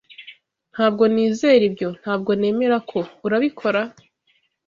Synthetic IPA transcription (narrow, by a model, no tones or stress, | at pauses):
n̥haːb̚ɡo̞niːze̞ːɾibɟo̞n̥haːb̚ɡo̞ne̞ːme̞ɾakʰo̞uɾaβikʰo̞ɾa